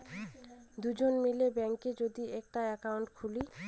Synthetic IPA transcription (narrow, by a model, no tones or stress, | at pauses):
d̪ud͡ʑonmilebɛŋked͡ʑod̪iɛk̚ʈaɛkawɳʈkʰuli